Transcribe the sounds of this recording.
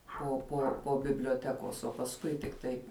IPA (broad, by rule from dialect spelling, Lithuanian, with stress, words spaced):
poː poː poː bʲɪbʲlʲoːˈtʲæːkoːs oː pɐsˈkʊɪ tʲɪkˈtɐɪ